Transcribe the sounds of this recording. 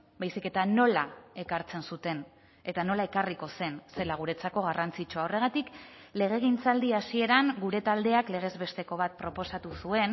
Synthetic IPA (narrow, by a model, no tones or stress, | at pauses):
bajsike̞t̪ano̞lae̞kaɾt͡se̞nsut̪e̞n | e̞t̪ano̞lae̞kariko̞se̞nse̞laɣ̞uɾe̞t͡sako̞ɣ̞arant͡sit͡ʃuaore̞ɣ̞at̪ik | le̞ɣ̞e̞ɣ̞int͡sald̪iasie̞ɾaŋɡuɾe̞t̪ald̪e̞akle̞ɣ̞e̞zβe̞st̪e̞ko̞β̞at̪̚pɾo̞po̞sat̪usue̞n